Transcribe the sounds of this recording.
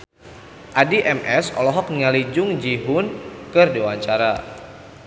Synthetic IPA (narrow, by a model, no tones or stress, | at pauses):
ʔadiʔɛmʔɛsɔ̰lɔɦɔk̚niŋalid͡ʒʊŋd͡ʒiɦʊnkɨrdewaɲt͡ʃaɾa